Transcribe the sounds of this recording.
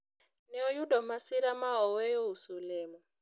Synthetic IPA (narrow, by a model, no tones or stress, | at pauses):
nɛɔjudɔmasiɾamaɦɔwɛjoɦusulɛːmɔ